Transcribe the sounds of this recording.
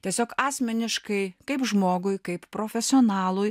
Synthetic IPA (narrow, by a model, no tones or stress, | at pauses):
tʲiɛsʲoːkɑːsʲmʲɛnʲɪʃkɐɪkɐɪpʒmoːɡʊjkɐɪppɾoːfʲɛsʲɪoːnɑːlˠʊj